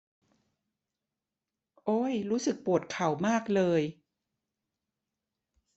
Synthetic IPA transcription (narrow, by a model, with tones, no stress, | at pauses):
ʔoː˧˥jɾuː˦˥sɯ˨˩k̚pu˨˩ət̪̚kʰa˨˩wmaː˥˩k̚lɤː˧j